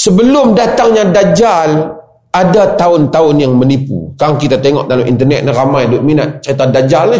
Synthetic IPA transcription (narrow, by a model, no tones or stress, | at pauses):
səbəlʊmdat̪aŋɲadad͡ʒal | adat̪aʊnt̪aʊnjaŋmənipṵkaŋkit̪at̪eŋɔ̰ʔdalamʔḭnt̪ərnɛ̰t̪̚naɾamajdʊʔminat̪̚t͡ʃait̪adad͡ʒalna